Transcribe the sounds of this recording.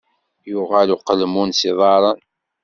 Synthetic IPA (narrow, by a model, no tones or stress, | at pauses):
jʊʁæluqəlmunsiðˤɑɾˤən